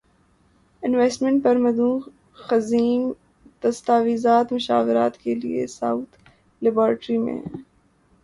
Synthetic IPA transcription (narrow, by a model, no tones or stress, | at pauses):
ɪnʋɛːsʈmɛ̃ɳʈ̚pɐɾmɐd̪ũː | xɐziːm | d̪̥ɐst̪aːʋiːzaːt̪mʊʃa̰ːʋɪɾaːt̪kelḭḛsaʊt̪ʰ | lɪbaːɾʈɾimḛ̃